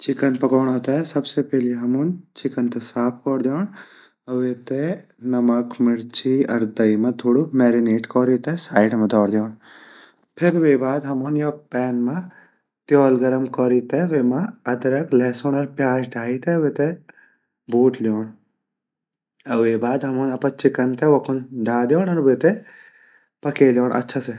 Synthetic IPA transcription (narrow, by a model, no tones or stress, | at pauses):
t͡ʃɪkənpɐkoːɳɦoːt̪aɛsɐbsepɛɦliɦɐmunt͡ʃɪkənt̪esaːp̚ʰkɔːɾd̪joːɳ | ɐʋeːt̪e | nɐməkmɪɽt͡ʃiɐɾd̪ɐimɐ̃t̪ʰoːɽumɛːɾineːʈkɔːɾit̪esaːɪɖmẽd̪ɔːɽd̪joːɳ | pʰɪɾʋeːbaːd̪ɦɐmuːnjoːpɛːnmã | t̪jɔːlɡɐɾɐmkɔːɾiːt̪eʋeːmãɐd̪ɐɾɐklɛːsoːɳɐɾpjaːd͡ʒɖʱaːit̪eʋet̪e | buːʈljoːɳ | ɐʋeːbaːd̪ɦɐmoːnɐpɐt͡ʃɪkɐnt̪eʋɐkʊnɖʱaːd̪joːnɐɾʋet̪e | pɐkeːljoːɳʔɐ̰tːʃʰase